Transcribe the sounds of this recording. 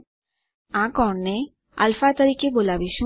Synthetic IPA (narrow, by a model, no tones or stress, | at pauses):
ãkɔːɳne | ɐ̰lfat̪əɾikebolabiʃũ